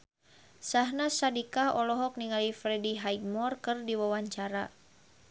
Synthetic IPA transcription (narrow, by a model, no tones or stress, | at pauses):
saɦnasadikaɔlɔɦɔk̚niŋalifɾɛdiɦajd̚mɔrkɨrdiwawaɲt͡ʃaɾa̰